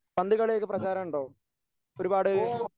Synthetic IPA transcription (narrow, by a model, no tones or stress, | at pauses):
ɐnd̪ʱiɣɐɭileːk̬ːɨprɐt͡ɕaːɾɐmuɳɖo̞ː | o̞ɾubaːɽɨ